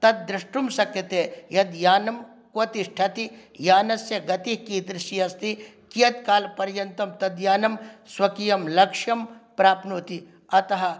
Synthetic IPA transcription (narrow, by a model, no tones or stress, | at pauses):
t̪ɐt̪̚d̪ɾɪʂʈumsɐkjɐt̪eːjɐd̪jaːnɐm | kot̪isʈʰɐt̪ijaːnɐsjɐɡɐt̪iɦkiːt̪ɾɪʃiɐst̪ʰi | kijɐt̪̚kaːlpɐɾjɐnt̪ɐmt̪ɐd̪jaːnɐmswɐkijɐmlɐkʂjɐmpɾaːpnuːt̪i | ɐt̪ɐɦɐ